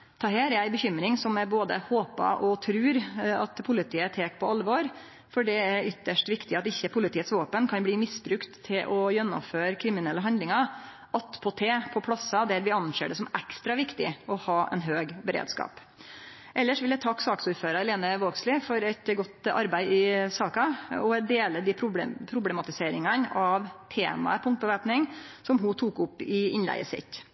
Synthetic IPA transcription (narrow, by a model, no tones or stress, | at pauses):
t̪ʰɑːɦæːɾjæɪbəçʏmːɾɪŋsɔmɛboːd̪ə̰hoːpɑ̰ʔɔt̪ʰɾʉːɾɑt̪pʰʊlɪt̪ʰiːət̪ʰeːkpʰɔɑlʋoːɾ | fɔɖɛæɾʏt̪ːəʂʈʋɪkt̪ɪɑt̪ɪçːəpʰʊlɪt̪ʰiːət̪sʋoːpənkʰɑnbliːmɪsbɾʉkt̪ʰːɪlʔɔjɛnːɔ̰mføːɾkʰɾɪmɪnɛlːəɦɑnd̪lɪŋɑ | ʔɑt̪pʰɔt̪ʰeːpʰɔpʰlɑsɑd̪æɾʋɪɑnʃḛːɖɛsɔmʔɛkst̪ɾɑʋɪkt̪ɪ̰ɔhɑːʔɛ̰nɦøːɡbəɾḛːd̪skɑ̰ːp | ʔɛlːəʂʋɪld̪æɪt̪ʰɑkːsɑːksuːɾføːɾɑɾleːnəʋoːɡslɪfɔɾɛt̪ɡɔt̪ɑ̰ɾbæɪɪsɑːkɑɔɛd̪eːləd̪ipʰɾʊ̰pʰɾʊblɛmɑt̪ɪseːɾɪŋɑnɑʋt̪ʰeːmɑ̰əpʰɔʊŋt̪̚bəʋæːpnɪŋsɔmɦʊt̪ʰuːkʊpːɪɪnlæ̰ɪəsɪ̰t̪ː